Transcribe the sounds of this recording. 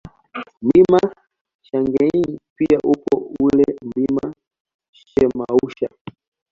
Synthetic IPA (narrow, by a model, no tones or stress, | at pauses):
mbima | ʃaŋɡɛɲipiaʔupɔulɛm̩bima | ʃɛmauʃa